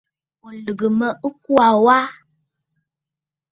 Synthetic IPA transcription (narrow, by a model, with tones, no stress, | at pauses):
o˨lɨ˨ɡə˨mə˦ʔɨ˦ku˦a˨wa˦